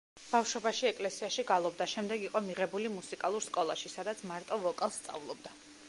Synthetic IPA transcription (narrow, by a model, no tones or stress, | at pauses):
b̥afʃwɔbaʃiɛkʼlɛsiaʃiɡalˠɔb̚d̪aʃɛmd̪ɛɡiqʼɔmiʁɛbulimusikʼalˠuɾskʼɔlˠaʃisad̪at̪sʰmaɾt̪ʼɔvɔkʼalˠst̪sʼa̰vlˠɔb̚d̪a